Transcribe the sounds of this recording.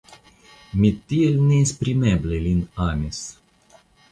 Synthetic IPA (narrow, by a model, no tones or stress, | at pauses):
mit̪ːiɛlnespɾimɛblelʲinamʲes